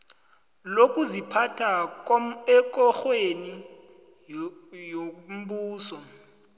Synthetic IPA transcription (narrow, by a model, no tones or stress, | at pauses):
lokʼuzipʰatʰa | ɛk̬ʼɔxweni | jom̩ɓuːsɔ